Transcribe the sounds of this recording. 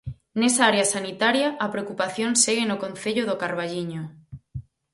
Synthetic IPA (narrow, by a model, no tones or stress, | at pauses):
nesaaɾeasanit̪aɾjɐʔːpɾeokupaθjonseɣenokonθeʎoðokaɾβaʎiɲo